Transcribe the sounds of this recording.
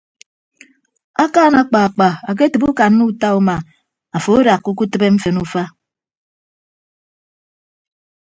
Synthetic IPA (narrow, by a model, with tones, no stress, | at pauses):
a˦kaː˦˨na˦k͡pa˨a˨k͡pa˨a˨k̬e˦tɨ˨bu˦ka˨nː˦u˦u˦ta˦u˦ma˨ | a˨fo˨˦ɾa˨kːu˦ku˦tɨ˦be˦m̩˦fe˨nu˦fa˦